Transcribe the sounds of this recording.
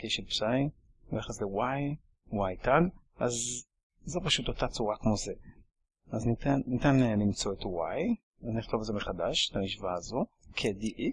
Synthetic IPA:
keʃepsaj | eχasewaj | wajtaɡ | ʔazː | opaʃut̪otat͡suʁakmo̞ze | aznit̪anːit̪anlimt͡so̞et̪waj | azniχt̪o̞valzemeχad̪aʃe̥tamiʃvaːzo̞ | kʰediʔi

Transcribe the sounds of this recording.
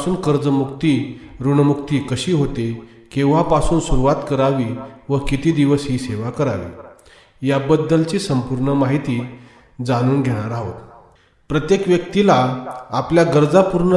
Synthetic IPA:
suːnkəɾd͡zəmuk̚t̪iːɾuɳəmuk̚t̪iːkəɕiːɦot̪e | kĩw̃ʋapasuːnsuɾuʋat̪kəɾaʋiːʋəkit̪iːd̪iʋəsɦiːseʋakəɾaʋḭ | jabəd̪ːəlt͡ɕiːsəmpuɾɳəmaɦit̪iː | d͡zañuːnɡʱeɽ̃aɾaɦot̪ | pɾət̪jekʋjək̚t̪ilaapljaɡəɾd͡zapuɾɳə

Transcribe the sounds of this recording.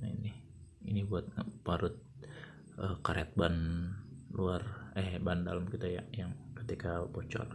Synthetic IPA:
nainih | ḭnibuat̪̚ŋpaɾʊt̪̚ | ʔəkaɾeat̪̚ban | luarɛhbanda̰ləmkit̪ajajaŋkət̪ikapɔt͡ʃɔ̰r

